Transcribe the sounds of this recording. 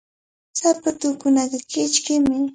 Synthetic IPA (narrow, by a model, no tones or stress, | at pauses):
sapat̪ʊkʊnat̪akɪt͡ʃkɪmɪ